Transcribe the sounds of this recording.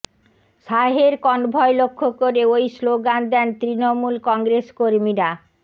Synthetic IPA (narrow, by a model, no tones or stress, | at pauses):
ʃaɦeɾkɔnbʱɔelokʰːokoɾeojsloɡand̪ɛnt̪ɾinomulkɔŋɡɾeskoɾmiɾa